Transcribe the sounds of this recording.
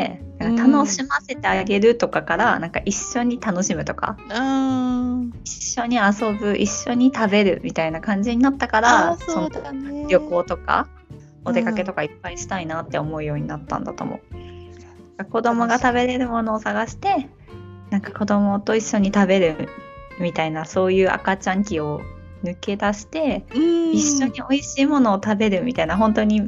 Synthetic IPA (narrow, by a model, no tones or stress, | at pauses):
enãŋkat̪ano̞ɕimase̞t̪e̞aɡe̞ɾɯ̟t̪o̞kakaɾanãŋka̰ʔiɕːo̞ɲ̟it̪ano̞ɕimɯ̟t̪o̞ka̰ | iɕːo̞ɲ̟iaso̞bɯ̟ʔiɕːo̞ɲ̟it̪abe̞ɾɯ̟̰mʲit̪ainakãɲ̟d͡ʑiɲ̟inat̪ːakaɾasonɾʲjo̞ko̞ːt̪o̞ka̰ | od̪e̞katke̞t̪o̞kaipːaiɕi̥t̪ainat̪ːe̞o̞mo̞ɯ̟jo̞ːɲ̟inat̪ːã̰nd̪a̰t̪o̞̰mo̞̰ɯnnnãŋkako̞d̪o̞mo̞ɡat̪abe̞ɾe̞ɾɯ̟mo̞no̞ːsaɡaɕi̥t̪e̞ | nãŋkḁko̞d̪o̞mo̞t̪o̞iɕːo̞ɲ̟it̪abe̞ɾɯ̟mʲit̪ainaso̞ːjɯ̟ːʔa̰kat͡ɕãŋkʲio̞ | nɯ̟ke̞d̪aɕi̥t̪e̞iɕːo̞ɲ̟io̞iɕiːmono̞ːt̪abe̞ɾɯ̟mʲit̪ainaɦõ̞nt̪o̞ɲ̟i